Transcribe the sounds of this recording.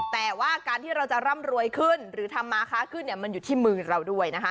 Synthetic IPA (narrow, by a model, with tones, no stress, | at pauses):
t̪ɛː˨˩waː˥˩kaː˧nt̪ʰiː˥˩ɾa˧wt͡ɕa˨˩ɾa˥˩mɾu˧əjkʰɯ˥˩nɾɯː˩˦t̪ʰa˧mːaː˧kʰaː˥˩kʰɯ˥˩nːi˥˩ɐma˧njuː˨˩t̪ʰiː˥˩mɯː˧ɾa˧wdu˥˩əjna˦˥kʰa˦˥